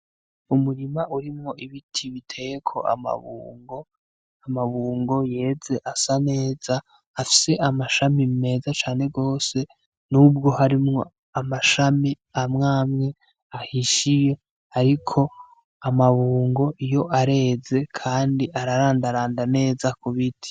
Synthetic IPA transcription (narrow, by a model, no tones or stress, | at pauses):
umuɾimaʔuɾimŋo̞ʔiβitʰiβitʰe̞jekʰo̞̰ʔa̰ma̰βṵːŋɡo̞ | amaβuːŋɡo̞je̞ːze̞ʔasane̞ːz̥aː | fi̥se̞ʔamaʃamime̞ːzat͡ʃaːne̞ɡo̞ːse̞ | nub̚ɡo̞haɾimŋo̞ | amaʃami | amŋaːmŋe̞ | ahiʃije̞ | aɾikʰo̞ | amaβuːŋɡo̞ʔijo̞ʔaɾe̞ːze̞kʰaːndiʔaɾaɾaːndaɾaːndane̞ːzakuβitʰi̥